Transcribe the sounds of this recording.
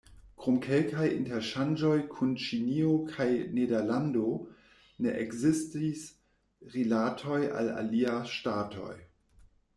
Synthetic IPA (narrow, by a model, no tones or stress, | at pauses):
kɾomkʰelkʰajḭnteɾʃand͡ʒojkʰunt͡ʃiniokʰajnedeɾlando | neʔekzistis | ʁilatʰo̞ja̰la̰liaʃtaːtʰo̞̰j